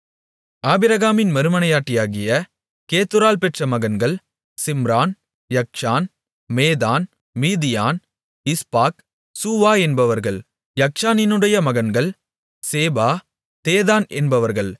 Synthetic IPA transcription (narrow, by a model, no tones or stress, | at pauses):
aːbɪɾɐɣaːmɪnmɐɾɯmɐnɐjaːʈːɪjaːɣɪjɐ | keːt̪ɯɾaːlpɛʈrɐmɐɣɐnɡɐɭ | sɪmɾaːn | jɐk̚ʂaːn | meːðaːn | miːðɪjaːn | ɪspaːk | suːʋaːɛnbɐʋɐɾɣɐɭ | jɐk̚t͡ʃaːnɪnɯɽɐjɐmɐɣɐnɡɐɭ | seːbaː | t̪eːðaːnʔɛnbɐʋɐɾɣɐɭ